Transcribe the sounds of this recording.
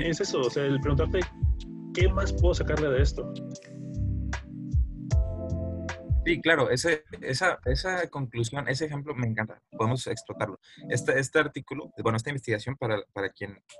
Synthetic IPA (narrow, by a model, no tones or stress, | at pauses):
esesoːseaelp̬ɾeɣunt̪aɾt̪e̞ | ke̞maspwe̞ðos̬akaɾle̞ðeest̪o | siklaɾo̞ʔe̞seesae̞sako̞ŋklus̬jo̞nʔe̞s̬eːxe̞mplo̞me̞ːŋkant̪a̰po̞ðe̞mose̞ksplo̞t̪aɾlo̞e̞st̪aest̪e̞aɾt̪ikulo̞wenoest̪imbest̪iɣasjo̞mpaɾapaɾakje̞n